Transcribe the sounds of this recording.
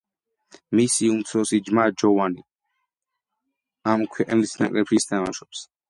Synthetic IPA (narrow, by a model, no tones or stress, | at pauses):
misiumt̪sʰɔsid͡ʒmad͡ʒɔvani | amkʰwɛqʼnilisna̰kʼɾɛpʰʃist̪ʰama̰ʃɔps